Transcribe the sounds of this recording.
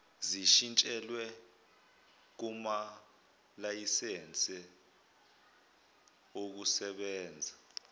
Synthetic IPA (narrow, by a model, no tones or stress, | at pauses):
ziʃint͡ʃʼɛlwɛ | k̬uma | lajisɛnt͡sʼɛ | ok̬usɛɓɛːnd͡zʱa